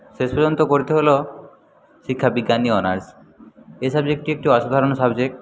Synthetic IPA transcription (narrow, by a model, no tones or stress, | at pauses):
ʃeʃpɔd͡ʑont̪okoɾit̪eɦolo | ʃikʰːabiɡːaniɔnaɾs | esabd͡ʑek̚ʈiek̚ʈiɔʃud̪ʱaɾonsabd͡ʑek̚ʈ